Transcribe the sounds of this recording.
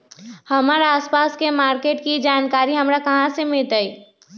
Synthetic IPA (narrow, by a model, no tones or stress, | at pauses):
həmaːɾaaːspaːskemaːɾkeːʈkid͡ʒaːnkaːɾiɦəmɾakəɦãsemɪlt̪ai